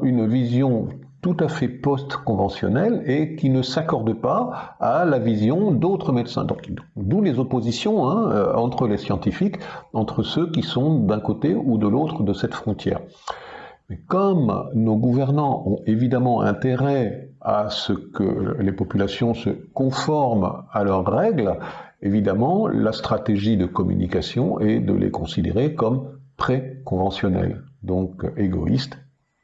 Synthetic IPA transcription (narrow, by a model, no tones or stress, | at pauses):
ynvizjɔ̃ | t̪ut̪afɛpɔst̪kɔ̃vɑ̃sjɔ̰nɛlekʲinəsakɔʁd̪əpaalavizjɔ̃d̪ot̪χəmɛd̪sɛ̰̃d̪ɔ̰̃ki | d̪ulezɔpozisjɔ̃ɛ̃øɑ̃t̪χəlesjɑ̃t̪ifikɑ̃t̪χəsøkʲisɔ̃d̪ɛ̃kot̪eud̪əlot̪χəd̪əsɛt̪fχɔ̃t̪jɛ̰ːʁ | mɛkɔmnoɡuvɛʁnɑ̃ʔɔ̃evid̪amɑ̃ɛ̰̃t̪eʁɛasəkə̰lepɔpylasjɔ̃səkɔ̃fɔʁmalœʁːɛɡlevid̪amɑ̃last̪χat̪eʒid̪əkɔmy̰nikasjɔ̰̃ʔɛd̪ə̰lʔḛkɔ̃sid̪ḛʁekɔmpχekɔ̃vɑ̃sjɔnɛ̰ld̪ɔ̃keɡɔ̰ḭst̪